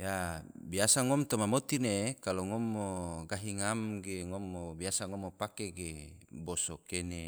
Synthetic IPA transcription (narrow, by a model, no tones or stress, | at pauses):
ja | biasaŋɔmt̪omamot̪inekaloŋɔmːoɡaɦiŋamɡeŋɔmːobiasaŋɔmopakeɡebosokene